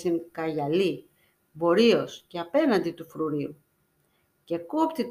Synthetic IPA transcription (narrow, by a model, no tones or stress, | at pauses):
siŋkɐʝɐli | vo̞ɾio̞sceɐpe̞nɐnd̪it̪ufɾuɾiu | ce̞kopt̪it̪